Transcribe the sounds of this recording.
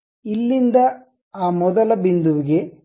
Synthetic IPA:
ilːind̪ɐ | aːmɔd̪ɐlɐbind̪uʋiɡe̞

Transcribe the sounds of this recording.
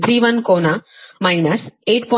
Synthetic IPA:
d̪ɾiːʋɐnkoːnamajnɐseːʈ̚pɔ

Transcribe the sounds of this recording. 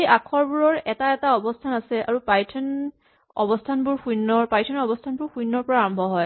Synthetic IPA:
eʔakʰɔɹbuɹɔɹɛtaɛtaɔbɔstʰanasɛʔa̰ɹupajtʰɔn | ɔ̰bɔstʰanbʊɹxujnːɔɹpajtʰɔnɔbɔstʰanbʊɹxujnːɔɹpɔɹaːɹɔmbʱɔɦɔj

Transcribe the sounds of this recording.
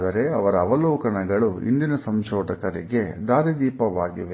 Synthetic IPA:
d̪ɐɾe̞ɐʋɐɾɐːʋɐlɔːkɐɳɐɡɐɭuḭnd̪inɐsɐmʃɔːʈ̪ɐkɐɾḭɡe̞d̪aːɾid̪iːpɐʋaːɡiʋe

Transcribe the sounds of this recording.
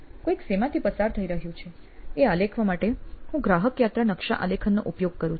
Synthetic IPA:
kõiksemat̪ʰipəsaɾt̪ʰəiɾəɦjũt͡ʃʰe | ealekʰʋamaʈehũɡɾaɦəkjat̪ɾanəkʃa̰ʔə̰lekʰənːoʔupjoɡ̚kəɾũ

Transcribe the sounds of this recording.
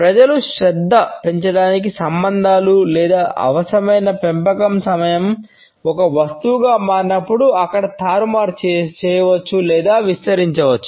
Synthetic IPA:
pɾɐd͡ʒɐluʃɾɛd̪ːɐpe̞ɲt͡ʃɐɽaːnik̬isɐmbɐnd̪ʱaːlulɛːd̪aːʔɐ̰ʋɐsɐɾɐmɐjnɐpempɐkɐmsɐmɐjɐm | ɔkɐʋɐst̪uwuɡaːmaːɾnɐpːuɽuɐkːɐɽɐt̪ʰaːɾumaːɾt͡ʃt͡ʃɛːjɐʋɐt͡ʃːulɛːd̪aːʋist̪ɐɾiɲt͡ʃɐʋɐt͡ʃːu̥

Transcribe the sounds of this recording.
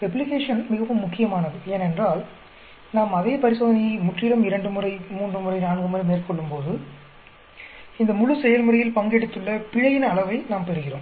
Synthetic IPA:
pɛblɪkeːʂɐnmɪɣɐʋɯmːʊkːɪjɐmaːnɐðɯeːnɛndraːl | naːmɐðeːpɐɾɪsoːðɐnɪjɐɪmʊʈrɪlɐmɪɾɐɳɖɯmɯrɐɪmuːɳdrɯmɯrɐɪnaːɳɡɯmɯɾɐɪmeːrkɔɭːɯmpoːðɯ | ɪnd̪ɐmʊɻʊsɛjɐlmɯrɐjɪlpɐŋɡeːɽɐt̪ːɯɭːɐpɪɻɐjɪnɐɐɭɐʋɐɪnaːmpɛɾɯɣɪroːm

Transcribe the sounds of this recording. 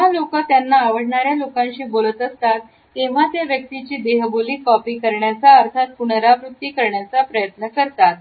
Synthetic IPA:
alokət̪janːaːʋəɽ̤ɳaɾjalokãɲɕiːbolət̪əst̪at̪ː | eʋ̤at̪jaʋjək̚t̪it͡ɕiːd̪eɦboliːkɔpiːkəɾɳjat͡saəɾt̪ʰat̪̚puɳɾaʋɾut̪ːikəɾɳjat͡sapɾəjət̪nəkəɾt̪at̪̚

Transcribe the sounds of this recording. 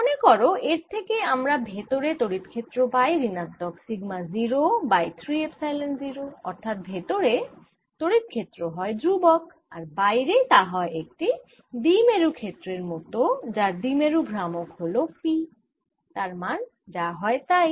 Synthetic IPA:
onekɔɾoeɾt̪ʰekeamɾabʱet̪oɾet̪oɾit̪kʰet̪ːɾobajɾinat̪ːɔksiɡmaziɾobajt̪ʰɾiepsajlenziɾoɔɾt̪ʰat̪̚bʱet̪oɾe | t̪oɽit̪̚kʰet̪ːɾoɦɔed̪ɾubɔk | aɾbajɾet̪aɦɔeek̚ʈi | d̪imeɾukʰet̪ːɾeɾmɔt̪od͡ʑaɾd̪imeɾubʱɾamokɦolopi | t̪aɾman | d͡ʑaɦɔet̪aj

